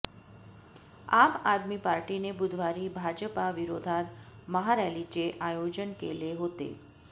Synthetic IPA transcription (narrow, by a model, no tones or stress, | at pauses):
amad̪mipaɾʈinebud̪ʱʋaɾiːbʱad͡ʑəpaʋiɾod̪ʱat̪məɦaɾjalit͡seʔajod͡ʑənkḛleɦot̪ḛ